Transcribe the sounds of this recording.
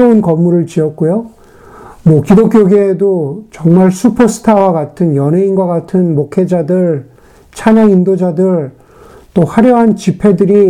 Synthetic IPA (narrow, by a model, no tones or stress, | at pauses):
ounkʌmːuɾɯɭt͡ɕiʌt̚k͈ojo | mwʌkidok͈joɡidot͡ɕʌŋmaɭsʰupʰosʰɯ̥tʰawaɡatʰɯnjʌnɦeinɡwaɡatʰɯnmokʰe̞d͡ʑadɯɭ | t͡ɕʰaɲaŋindod͡ʑadɯɭ | t͈ohaɾjʌɦant͡ɕipʰe̞dɯɾi